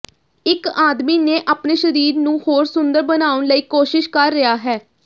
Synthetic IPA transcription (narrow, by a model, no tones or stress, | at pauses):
ɪkaːd̪miːneːʔaːpneːʃəɾiːɾnũːhoːɾsʊnd̪əɾbənaːʋʊnləiːkoːʃɪʃkəɾːɪaːɦɛː